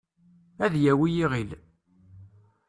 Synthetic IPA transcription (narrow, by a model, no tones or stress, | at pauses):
æðjæwijiʁil